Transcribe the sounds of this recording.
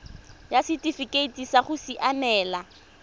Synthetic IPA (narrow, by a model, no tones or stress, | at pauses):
jasitʼifikʼeitisaχʊsiʔanɛːla